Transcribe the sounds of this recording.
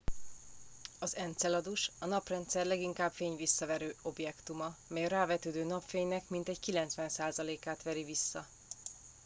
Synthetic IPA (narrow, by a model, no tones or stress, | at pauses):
ɒzɛnt̪sɛlɒd̪uʃɒnɒprɛnt̪sɛrlɛɡiŋkaːbfeːɲvisːɒvɛɾøːo̞bjɛkt̪umɒmɛjɒɾaːvɛt̪øːd̪øːnɒpfeːɲnɛkmint̪ɛɟkilɛnt̪sʋɛnsaːzɒleːkaːt̪ʋɛɾivisːɒ